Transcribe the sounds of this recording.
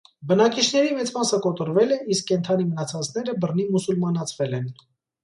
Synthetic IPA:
bənɑkit͡ʃʰnɛɾimɛt͡smɑsəkɔt̪ɔɾvɛlɛʔiskːɛnt̪ʰɑnimənɑt͡sʰɑt͡sʰnɛɾəbərnimusulmɑnɑt͡sʰvɛlɛn

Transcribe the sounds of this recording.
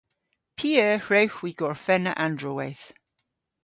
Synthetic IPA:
pʰiːəːhɹɛwxwiɡ̥ɔɹfɛnə̰ʔandɹɔwɛθ

